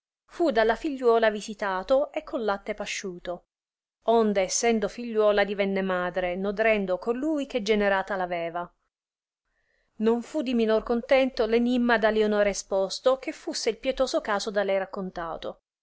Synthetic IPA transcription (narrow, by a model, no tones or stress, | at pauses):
fud̪alːafiʎːwɔːlavizit̪aːt̪oekʰːonlat̪ːepaʃːuːt̪o | ond̪eːsːɛnd̪ofiʎːwɔːlad̪ivɛnːemaːd̪ɾenod̪ɾɛnd̪okolujk̟ed͡ʒeneɾaːt̪alavɛːva | noɱfud̪ːiminorkont̪ɛnt̪olenimːad̪alionoːɾespost̪ok̟efːusːeilpjet̪oːzokaːzod̪alːɛjɾakːont̪a̰ːt̪o